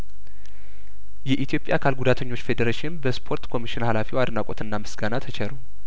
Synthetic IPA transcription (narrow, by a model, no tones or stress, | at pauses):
jɛʔit̪ʰijo̞pʼja̰kʰalɡud̪at̪ʰəɲːo̞t͡ʃːfe̞d̪əɾeʃɪnbəspʰo̞ɾt̪kʰo̞miʃɪnhalafiwad̪nakʼot̪ɨnːamɨsɡanat̪ʰət͡ʃʰɛɾu